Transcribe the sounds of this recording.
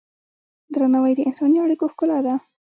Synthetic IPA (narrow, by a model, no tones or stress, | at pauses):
d̪ɾanawəjd̪əɪnsɑniaɽikoxkʊlad̪a